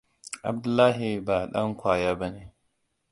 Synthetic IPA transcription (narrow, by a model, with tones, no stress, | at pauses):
ʔa̰˨b̚dʊ˦lːaː˦ɦi˨baː˨ɗɐ˦ŋkʷaː˨jaː˦ba˦neː˨